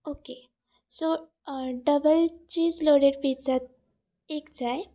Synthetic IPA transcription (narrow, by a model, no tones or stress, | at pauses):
oke | so | ɖəbəlt͡ɕiːsloɽeɽpit͡sat̪̚ | ekd͡zaj